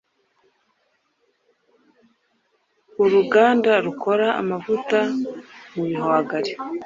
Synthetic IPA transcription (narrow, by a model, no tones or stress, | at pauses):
uɾuɡaːndaɾukʰo̞ɾaa̰mavutamuiɦoaɡaɾe